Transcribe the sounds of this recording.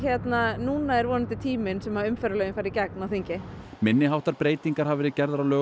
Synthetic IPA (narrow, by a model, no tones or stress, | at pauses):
çɛt̪nanuːnaɛɾvɔːnɪnt̪ɪt̪ʰiːmɪnsɛmhaʏmfɛɾalœːjʏmfajɾicaknawθiɲcɪ | mɪnːɪɦawht̪aɾpɾeːjt̪iŋkaɾ̥ɦavɛɾɪcɛɾðaɾawlœː